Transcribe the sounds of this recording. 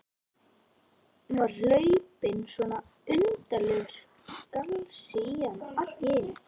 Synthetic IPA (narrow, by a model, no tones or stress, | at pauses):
nualœːɥpɪnsvɔːna | ʏnt̪alʏɾ̥ | kalsianal̥t̪jɛːj